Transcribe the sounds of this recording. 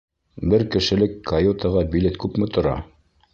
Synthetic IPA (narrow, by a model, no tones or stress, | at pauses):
bɘɾkɘ̆ʃɘ̆lɘkːɐjot̪ɑʁɑbilet̪kʉpmɘt̪ŏɾɑ̰